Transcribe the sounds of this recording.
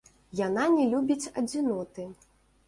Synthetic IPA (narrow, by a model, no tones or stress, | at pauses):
jananʲɛlʲubʲit͡sʲɐd͡zʲinɔt̪ɨ